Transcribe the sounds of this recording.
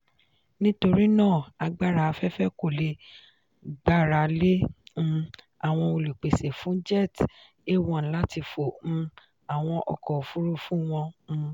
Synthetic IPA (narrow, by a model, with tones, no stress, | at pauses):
nĩ˦to˧ɾi˦nãː˦˨a˧ɡ͡ba˦ɾa˧fɛ˦fɛ˦ko˨le˧ | ɡ͡ba˦ɾa˨lẽ˦˧ | a˨w̃ɔ̃˧o˧lu˨k͡pe˨se˨fũ˨˦d͡ʒɛ˦˨t | e˦˨wɔ̃˧˨˦la˦ti˧fõ˨˦ | a˨w̃ɔ̃˧ʔɔ̰˧kɔ˨fu˦ɾu˦fũ˦w̃ɔ̃˧